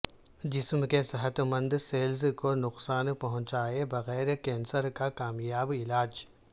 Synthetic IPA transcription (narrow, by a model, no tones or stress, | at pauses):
d͡ʒɪsmkesɐɦət̪mə̃nd̪seːlzkonʊqsaːnpɐɦʊ̃t͡ʃaːebɐɣɛːɾkɛ̃ːnsəɾkakaːmjaːbɪlaːd͡ʒ